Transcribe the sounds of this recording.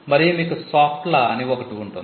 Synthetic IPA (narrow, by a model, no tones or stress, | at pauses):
mɐɾimiːkusaːpʈlɐɐniɔkɐʈiːɳʈun